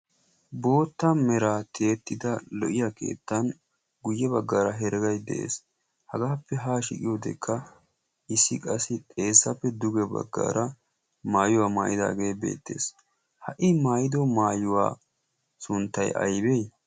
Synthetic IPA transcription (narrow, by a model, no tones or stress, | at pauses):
bo̞ːt̪ːɐmɛɾat̪ʰe̞ːt̪ːɪd̪ɐlɔʔɪjake̞̰ːt̪ːɐn | ɡʊjːɛbɐɡːaːɾɐɦɛɾɛɡɐjd̪ɛ̰ʔḛːs | hɐɡaːpːɛɦaːʃɪ̰kʼɪjɔd̪ɛ̰kʰːɐ | ʔɪsːɪkʼɐsɪt̪ʼe̞ːsːɐpːɛd̪ʊɡɛbɐ̰ɡːa̰ːɾɐ | maːjʊwaːma̰ːjɪd̪a̰ːɡe̞ːbḛːt̪ːe̞̰ːs | hɐʔɪmaːjɪd̪ɔmaːjʊwa̰ː | sʊnt̪ːɐjɐ̰jbej